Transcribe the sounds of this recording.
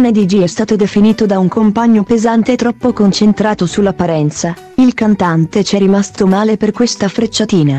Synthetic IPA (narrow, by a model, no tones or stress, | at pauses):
uned̪id͡ʒiɛst̪aːt̪od̪efiniːt̪od̪auŋkompaɲːopezant̪eːt̪ːɾɔpːokont͡ʃent̪ɾaːt̪osulːapːaɾɛnt̪sa | ilkant̪ant̪et͡ʃɛrːimast̪omaːleperkwest̪afɾet͡ʃːat̪iːna